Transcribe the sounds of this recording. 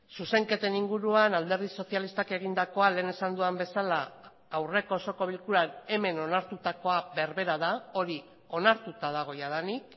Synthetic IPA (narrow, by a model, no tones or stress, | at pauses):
suse̞ŋke̞t̪e̞niŋɡuɾuanald̪e̞ɾðiso̞sjalist̪ake̞ɣ̞ind̪ako̞ale̞ːne̞sand̪uambe̞salaː | wre̞ko̞ːso̞ko̞β̞ilkuɾane̞me̞no̞naɾt̪ut̪ako̞abe̞ɾβe̞ɾaðao̞ɾi | o̞naɾt̪ut̪að̞aɣ̞o̞jað̞anik